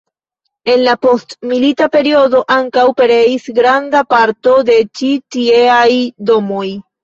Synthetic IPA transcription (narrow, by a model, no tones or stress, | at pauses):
e̞nlapo̞stmilitape̞ɾio̞do̞ʔaŋkawpe̞ɾe̞isɡɾandapaɾto̞de̞t͡ʃitie̞ajdo̞mo̞j